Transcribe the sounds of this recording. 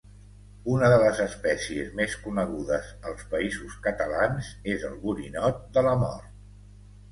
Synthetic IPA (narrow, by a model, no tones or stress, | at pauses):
unəðələzəspɛsiəzmeskunəɣuðəzəlˠspəizuskət̪əlanzezə̰lˠβuɾinɔt̪̚d̪ələmɔ̰rt̪̚